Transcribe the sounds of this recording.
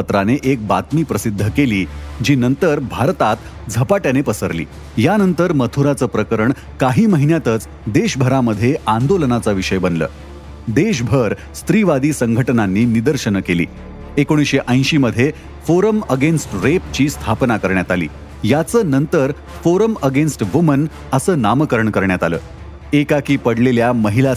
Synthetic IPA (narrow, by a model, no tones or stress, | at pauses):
ət̪ɾaneʔek̚bat̪miːpɾəsid̪ʱːəkeliːd͡ʑiːnənt̪əɾbʱaɾt̪at̪ | d͡zʱəpaʈjanepəsəɾlḭː | janənt̪əɾmət̪ʰuɾat͡səːpɾəkəɾəɳ | kaɦiːməɦinjat̪ət͡s | d̪eɕbʱəɾaməd̪ʱːjeʔand̪olənat͡saʋiʂəjbənlə̰ː | d̪eɕ̬bʱəɾ | st̪ɾiʋad̪iːsəŋɡʱəʈənanːiːnid̪əɾɕənəkelḭː | ekoɽ̃isɕeʔə̃j̃ɕiːməd̪ʱːje | foɾəməɡensʈɾep̚t͡ɕiːst̪ʰapnakəɾɳjat̪alḭː | jat͡səːnənt̪əɾ | foɾəməɡensʈʋumən | əsəːnaməkəɾəɳkəɾɳjat̪alə̰ː | ekakiːpəɽleljaməɦila